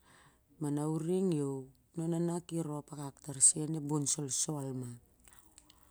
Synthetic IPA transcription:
manawɾiŋjow | nonanakiɾoapakaktaɾsienebonsolsoalma

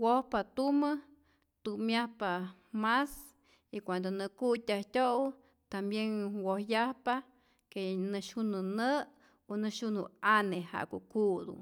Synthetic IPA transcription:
wohpat̪umə | t̪umjahpa | mas | ikʷand̪onɨkut̪ʲaht̪ʲowu | t̪ambjenwohjahpa | kenɨʃunɨnə | onɨʃunhuaneha̰ʔkuʔkuʔd̪ṵ

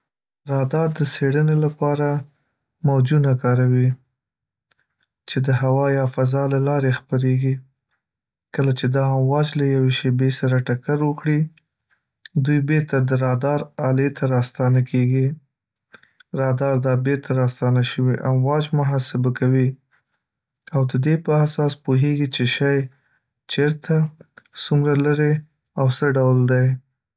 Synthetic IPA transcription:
ɾɑd̪ɑɾd̪əseɽənelapɑɾa | mawd͡ʒunakɑɾawi | t͡ʃed̪əɦawɑjɑfazɑlalɑɾexpəɾeɡi | kəlat͡ʃed̪ɑamwɑd͡ʒlajaweʃebesaɾaʈakaɾwəkɽi | d̪ujbeɾt̪ad̪əɾɑd̪ɑɾɑlet̪ʰaɾɑst̪ɑnakeɡi | ɾɑd̪ɑɾd̪ɑbeɾt̪ʰaɾɑst̪ɑnaʃəwiʔamwɑd͡ʒmʊɦɑsɪbakawi | awd̪əd̪epəasɑspuɦeɡit͡ʃeʃɑj | t͡ʃeɾt̪asumɾalaɾe | awsəɖawld̪aj

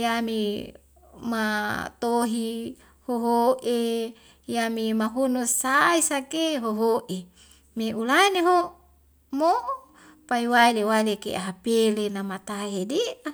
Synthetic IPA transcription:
jami | mat̪oɦi | hoɦoʔe | jamimaɦunusaisakeɦoɦoʔe | meulaineɦo | mo | paiwailewailekḛaɦapelenamat̪aɦedia

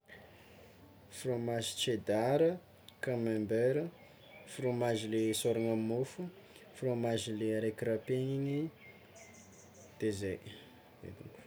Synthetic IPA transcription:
fromaʒit͡ʃed̪aɾə | kamɛmbeɾə | fromaʒilesoɾaŋammufu | fromaʒileɾekiɾapeɲini | d̪̥ezej | ḛt̪ṵŋku̥

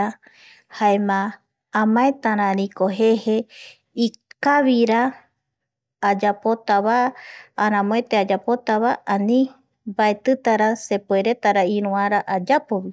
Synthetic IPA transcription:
a | haemãː | mãet̪aɾãɾĩkoɦehe | ikaβiɾa | d͡ʒapot̪aβaː | ɾãmõet̪ead͡ʒapot̪aβaanĩ | baet̪ɨt̪aɾasepueɾet̪aɾaiɾũaɾaʔad͡ʒapoβi

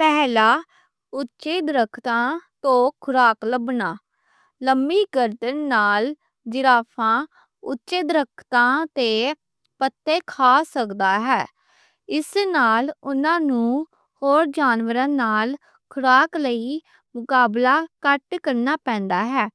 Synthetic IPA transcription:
pɛːlaː | ʊtːt͡ʃeːd̪ɾəkʰt̪ãːt̪õːkʰʊɾaːkləbnaː | ləmbiːɡəɾd̪ənːaːl | d͡ʒɪɾaːpʰãː | ʊtːʃeːd̪ɾəkʰt̪ãːt̪eː | pət̪ːeːkʰaːsəkd̪aːɦɛː | ɪsnaːlʊnãːnũː | hoːɾd͡ʒaːnʋəɾãːnaːl | kʰʊɾaːkləiː | mʊkaːblaːkəʈkəɾnaːpɛ̃ːnd̪aːɦɛː

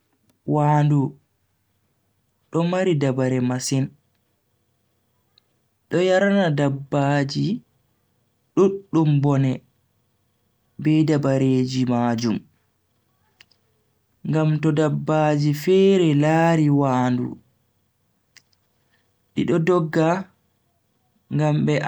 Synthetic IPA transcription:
waːndu | ɗɔmaɾidabaɾɛmasin | ɗɔjaɾanadabːaːd͡ʒi | ɗuɗːumbɔnɛ | bɛdabaɾeːd͡ʒimaːd͡ʒum | ŋɡamtɔdabːaːd͡ʒifɛɾɛlaːɾiwaːndṵ | ɗiɗɔdɔɡːa | ŋɡambɛ

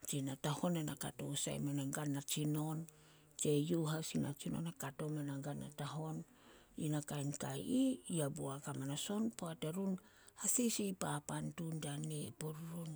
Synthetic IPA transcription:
t͡ʃinataho̞nenaka̰to̰sa̰jmanaŋɡanːat͡ʃino̞n | t͡ʃejuɦasina̰t͡ʃino̰nakato̞manaŋɡanːa̰taɦo̞n | inakajnkajiiabuakamanaso̞npoateɾun | hasisipapantundanepuɾuɾun

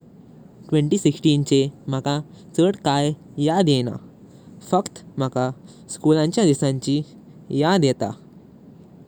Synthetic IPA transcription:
ʈʋẽɳʈiːsiksʈiːnt͡ɕem̤əka | t͡səɽkaj | jad̪jeña̰ | fəkt̪m̤əka | skulãɲt͡ɕjad̪isãɲt͡ɕi | jad̪jet̪a̰

